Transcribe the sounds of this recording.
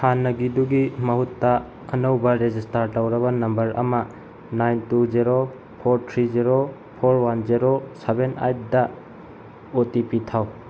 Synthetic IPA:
hanɐɡiduɡimɐɦutːa | ɐnɐwbɐɾed͡ʒistaɾtawɾɐbanɐmbɐɾɐ̰ma | najntuziɾo | pʰoɾtʰɾiziɾo | pʰoɾwanziɾosebena̰jt̚da | otipitʰaw

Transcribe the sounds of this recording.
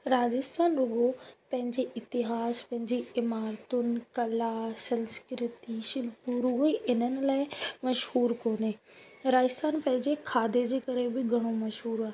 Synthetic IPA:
ɾaːd͡ʑɪst̪ʰaːnɾʊɡopɐ̃ɦɪ̃ɲd͡ʑeʔɪt̪ɪɦaːspɐ̃ɦɪ̃ɲd͡ʑeɪmaːɾt̪ʊnɪ̆kɐlasɐ̃nskɪɾt̪iʃɪlpuɾʊɡoiʔɪnənɪ̆laːɪmɐʃhuːɾkoːneː | ɾaːd͡ʑɪst̪ʰaːnpɐ̃ɦɪ̃ɲd͡ʑekʰaːd̪ed͡ʑeːkɐɾebɪɡʱɐɽ̃omɐʃɦuːɾaːɦe

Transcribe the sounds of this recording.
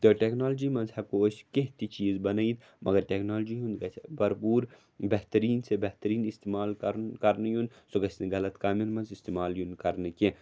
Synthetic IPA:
t̪oʈeknoːld͡ʒimɐ̃nzhɛkoːʃkeɦt̪it͡ʃiːzbɐnɐid̪ | mɐɡɐɾʈeːknaːld͡ʒiɦũnd̪ɡɐbɐɾpuːɾ | beɦt̪əɾiːnsebeɦt̪əɾiːnist̪eːmaːlkɐɾkɐɾnɐjũnd̪soɡɐsneɡɐlɐt̪kaːminmɐ̃nzɪst̪eːmaːljunkɐɾneke

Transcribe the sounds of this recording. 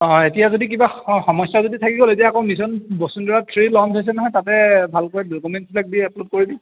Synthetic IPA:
ɔ̃etijazodik̬ibaxxɔmɔsazoditʰakiɡɔletiaːkɔ̃ʊmisɔnbɔsundɔɹatʰɹilɔndɔs̬ɛnɔɦɔjtatɛbʱalkɔjɛdokumɛntslak̚diɛplob̚koɹibi

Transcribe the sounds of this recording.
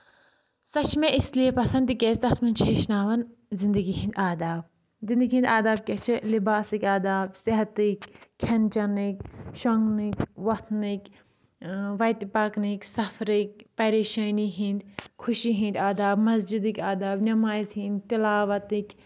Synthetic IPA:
sɐt͡ʃʰmẽʔisliepɐsɐ̃nt̪ikʲet̪ɐsmɐnt͡ʃʰeːʃnaːʋɐnzind̪ɐɡiɦĩnd̪aːd̪aːb̚ | zĩnd̪ɐɡiɦĩnd̪aːd̪aːb̚ket͡ʃʰilibaːsikʲaːd̪aːbsɪɦɐt̪ikkʰːɐnt͡ʃɐnikʲʃoŋɡnikʲʋɐt̪ʰnikʲ | ʋɐjt̪paknikʲsɐfʰɾik̚ʲpɐɾeːʃɐːniɦĩnd̪kʰʊʃiɦĩnd̪ʲaːd̪aːbmɐzd͡ʒid̪ikʲaːd̪aːbnɐmaːizɦĩnd̪t̪ɪlaːʋɐt̪ik

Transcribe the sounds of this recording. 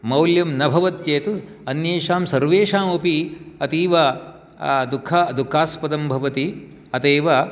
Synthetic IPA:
mɐwljɐmnɐbʱɐʋɐt̪jeːt̪u | ɐnjeːʂaːmsɐɾʋeːʃaːmupiɐt̪iːʋɐ | d̪ukʰːad̪ukʰːaːspɐd̪ɐmbʱɐʋɐt̪i | ɐt̪eːʋɐ

